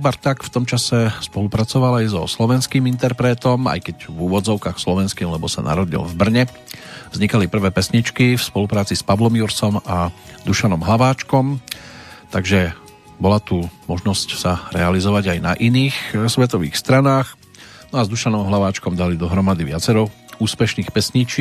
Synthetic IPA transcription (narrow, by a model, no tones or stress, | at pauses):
ubaɾt̪akft̪ɔmt͡ʃasɛspɔlupɾat͡sɔʋalajzɔ̰slɔʋɛnskiːmint̪ɛɾpɾɛːt̪ɔma̰jkɛɟvuːʋɔd͡zɔʊkaːxslɔʋɛnskiːmlɛbɔsa̰nʔa̰ɾɔɟḭlvbr̩ɲɛ | vzɲikalipr̩ʋɛːpɛsɲit͡ʃkifspɔlupɾaːt͡sispaʋlɔmjuɾsɔmad̪uʃanɔmɦlaʋaːt͡ʃkɔm | t̪aɡʒɛ | bɔlat̪umɔʒnɔscsaɾɛalizɔʋaɟajnaʔiniːxsʋɛt̪ɔʋḭːxst̪ɾanaːx | nɔazd̪uʃanɔmɦlaʋaːt͡ʃkɔmd̪alid̪ɔɦɾɔmad̪iʋɪat͡sɛɾɔuːspɛʃniːxpɛsɲit͡ʃ